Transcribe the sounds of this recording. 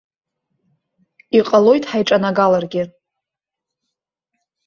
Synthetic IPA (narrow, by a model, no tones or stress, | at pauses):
iqʼəlo̞jtʼħajʈ͡ʂʼanaɡalarɡʲɪ